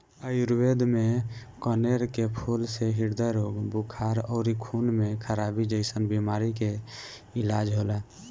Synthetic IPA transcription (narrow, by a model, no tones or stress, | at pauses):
əiɾuwed̪mekəneɾkepʰulseɦiɾd̪əɾoɡbukʰaɾɔːɾikʰunmekʰəɾabid͡ʒəɪsənbimaɾike | ilad͡ʒɦola